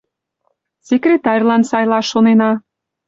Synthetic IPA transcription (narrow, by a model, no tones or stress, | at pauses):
sʲekrʲet̪ɑrʲlɑnsɑjlɑʃːonenɑ